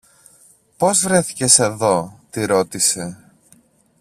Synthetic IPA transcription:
po̞zvɾe̞θi̥ce̞se̞ðo̞t̪iɾo̞t̪ise̞

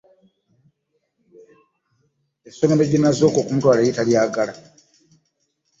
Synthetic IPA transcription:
esomemeɟinːazo̞ko̞ːkumutwaːlaitaliaːɡala

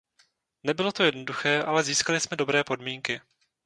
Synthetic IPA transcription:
nɛbɪlo̞t̪ojɛdno̞duxɛːʔalɛziːskalɪsmɛdo̞bɾɛːpo̞dmiːŋkɪ

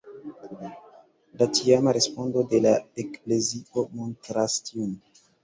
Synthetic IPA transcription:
latiamaɾe̞spondo̞de̞laekple̞zio̞montɾastiun

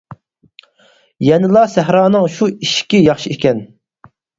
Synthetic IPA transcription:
jɛnɨlˠɑsæɦɾɑːnɨŋʃuiʃkʲijɑχʃiekʲɛn

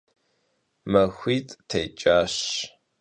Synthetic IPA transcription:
mɐxʷiːtʼtʰejt͡ʃʼaːɕ

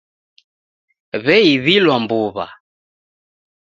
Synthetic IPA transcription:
βɛiβilwambuβa̰

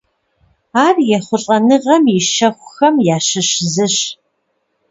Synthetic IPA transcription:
aːrjɛχʷʊɬʼɐnɨʁɐmiʃɐxʷʊxɐmjaːʃɨɕzɨɕ

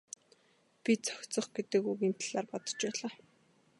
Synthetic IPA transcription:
pʲit͡sʰœ̥xʲt͡sɞ̆χɡet̪ɘ̆kuɣiːmt̪ʰɮaːrpɔt̪ɞ̥̆t͡ɕpæːɮaː

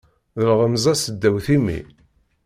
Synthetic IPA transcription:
ðəlʁəmzˤæsəd̪ːæwθimḭ

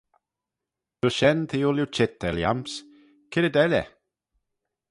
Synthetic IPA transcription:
d̪̥ʊʃɛnt̪ʰiʊljut͡ʃɪt̪̚ːɛlja̰ms | kʰɪɾəd̪ɛlʲɛ̰

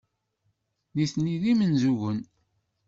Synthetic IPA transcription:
niθniðimənzuʝən

